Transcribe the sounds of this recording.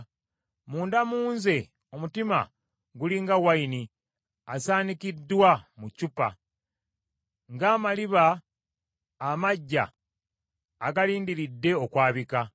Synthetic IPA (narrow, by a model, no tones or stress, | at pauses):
muːndamuːnze̞ | o̞mutima̰ | ɡuliŋɡawaini | asaːnikidːwamucupa̰ | ŋɡaːmaliβa | maɟːa̰ | ɡaliːndiɾidːe̞o̞kwaːβika